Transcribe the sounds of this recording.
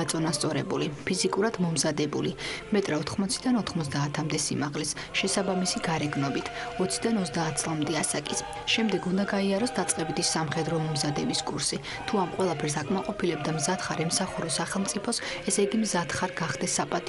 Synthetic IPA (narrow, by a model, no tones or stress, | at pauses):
t̪sʼɔnast̪sʼɔɾɛbulipʰizikʼuɾad̪mɔmzad̪ɛbulimɛt̪ʼɾaɔt̪ʰχmɔt̪sʰid̪anɔt̪ʰχmɔzd̪aːt̪ʰamd̪ɛsḭmaʁlɛs | ʃɛsabamisiɡaɾɛɡnɔbit̪ʰɔt̪sʰid̪anɔzd̪aːt̪̚ʰt̪sʼlˠamd̪ɛasakʼis | ʃɛmd̪ɛɡund̪aɡaiaɾɔsd̪at̪sʼqʼɛbid̪isːamχɛd̪ɾɔmɔmzad̪ɛbiskʼuɾsi | t̪ʰuamqʼwɛlˠapʰɛɾsakʼmaqʼɔpʰilɛb̚d̪amzat̪χaɾɛmsaχuɾɔsaχɛlˠmt̪ʼipʰɔsɛsɛɡimzat̪χaɾɡaχd̪ɛsːapʼat̪ʼ